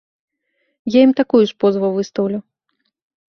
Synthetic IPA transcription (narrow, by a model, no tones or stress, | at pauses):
jajimt̪akujuʂpɔzvɐwvɨst̪ɐwlʲu